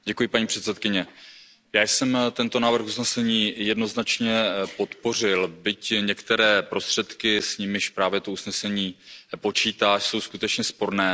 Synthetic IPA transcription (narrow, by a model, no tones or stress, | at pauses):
ɟɛkujɪpaɲiːpr̥ɛt̪sɛt̪kɪɲɛ | jaːjsɛmt̪ɛnt̪o̞naːvr̩xusnɛsɛɲiːjɛdno̞znat͡ʃɲɛpo̞t̪po̞r̝ɪlbɪcɲɛkt̪ɛɾɛːpɾo̞st̪r̥ɛt̪kɪsɲɪmɪʃpɾaːvjɛt̪ousnɛsɛɲiːpo̞t͡ʃiːt̪aːʃso̞wskut̪ɛt͡ʃɲɛspo̞ɾnɛː